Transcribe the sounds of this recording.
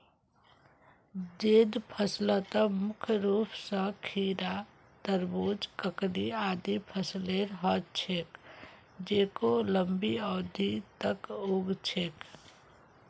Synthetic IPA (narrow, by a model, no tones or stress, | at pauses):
d͡ʒeːd̪pʰəslət̪əmʊkʰjɾuːpʰsə̃kʰiːɾa | t̪əɾboːd͡ʒkəkɾiaːd̪ipʰəsleɾɦɔːt͡ʃʰeːk | d͡ʒeːkoləmbiɔːd̪it̪əkuːɡt͡ʃʰeːk